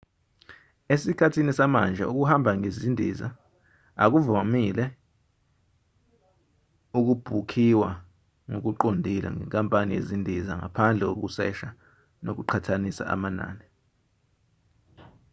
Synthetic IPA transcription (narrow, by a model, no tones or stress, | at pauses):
esikʰatʰinisamand͡ʒʱa̰ʔuk̬uhambʱaŋezindʱiza̰ | a̰k̬uvamilɛ | uk̬ub̥ʱukʰiwa | ŋok̬uǃondʱila̰ŋɛ̰ŋkʼampʼanijezindʱizaŋa̰pʰand͡ɮʱɛk̬o̰k̬usɛ̰ʃa | nok̬uǃʰatʰanisa̰ʔa̰mana̰ːnɛ